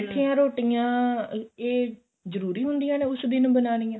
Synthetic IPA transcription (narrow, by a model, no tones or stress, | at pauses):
ʈʰːiːãːɾoːʈijãː | eː | zəɾuːɾiːɦʊnd̪ijãːneːʊsd̪ɪnbənaːnijãː